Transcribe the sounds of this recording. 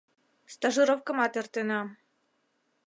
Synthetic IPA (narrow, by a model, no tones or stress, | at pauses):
st̪ɑʒɨɾofkɤ̆mɑt̪ĕrt̪enɑ